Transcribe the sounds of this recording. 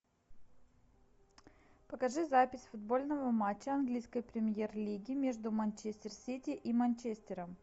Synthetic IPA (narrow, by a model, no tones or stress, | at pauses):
pəkɐʐɨzapʲɪsʲfʊd̪̚bo̞lʲnəvəmat͡ɕːəɐnɡlʲijskəjpɾʲɪmʲjerlʲiɡʲɪmʲeʐd̪ʊmɐnʲt͡ɕesʲt̪ʲɪrsʲitʲɪʔimɐnʲt͡ɕesʲt̪ʲɪɾəm